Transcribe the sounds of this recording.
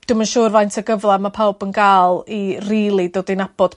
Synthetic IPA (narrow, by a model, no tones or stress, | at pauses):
d̥umanʃuːrvajntʰəɡəvlˠɛmapʰawbənɡaːlˠiriːlˠidoːdinab̥ɔd̥